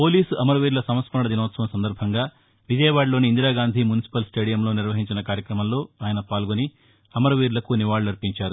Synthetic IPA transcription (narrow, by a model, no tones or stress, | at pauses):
po̞ːliːsɐmɐɾɐʋiːɾlɐsɐmɐt̪spɐɳɐɽɐd̪inɐːt̪sɐʋɐmsɐnd̪ɐɾbʱɐŋɡaː | ʋid͡ʒɐjɐʋaːɽlo̞ːniːnd̪iɾaːɡaːnd̪ʱimunisi̥pɐlsʈeːɽijɐmlo̞ːniɾʋɐɦiɲt͡ʃinɐkaːɾjɐkɾɐmɐmlo̞ːaːjɐnɐpaːlɡoni | ɐmɐɾɐʋiːɾlɐkuniʋaːɭuɐɾpiɲt͡ʃaːɾu